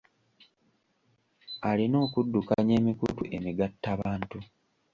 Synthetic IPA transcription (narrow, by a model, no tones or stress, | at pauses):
alino̞ːkudːukaɲe̞ːmikṵtuʔe̞miɡatːaβaːntu